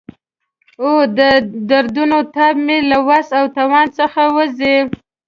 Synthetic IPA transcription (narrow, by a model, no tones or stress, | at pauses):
od̪əd̪aɾd̪unot̪abmelawasawt̪awɑnsəxawəzew